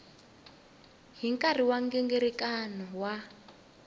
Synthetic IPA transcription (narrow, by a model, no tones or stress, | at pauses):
ɦiŋkʼariwaŋɡɛŋɡeɾikʼanɔwa